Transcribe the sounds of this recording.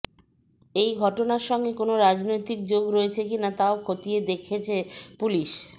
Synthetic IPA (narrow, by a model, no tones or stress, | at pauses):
ejɡʱɔʈonaɾʃɔŋɡekonoɾad͡ʑnojt̪ik̚d͡ʑoɡɾoet͡ɕʰekinat̪aokʰot̪ijed̪ekʰet͡ɕʰepuliʃ